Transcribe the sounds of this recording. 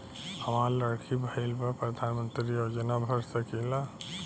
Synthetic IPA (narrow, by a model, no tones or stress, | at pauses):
həmaɾləɽkʰibʱailpəɾpɾəd̪ʱanmənt̪ɾijod͡ʒənabʱəɾsəkila